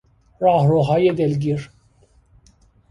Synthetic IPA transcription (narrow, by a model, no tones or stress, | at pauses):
ɾɑːɦɾoɦɑjed̪elɡiɾ